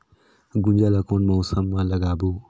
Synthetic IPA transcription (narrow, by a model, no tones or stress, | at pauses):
ɡund͡ʒalakoːnmowsɐmːãlɐɡaːbo